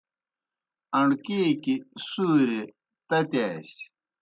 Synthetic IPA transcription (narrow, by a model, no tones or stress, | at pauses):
ɐɳɖkeːkisuːɾe | t̪ɐt̪aːs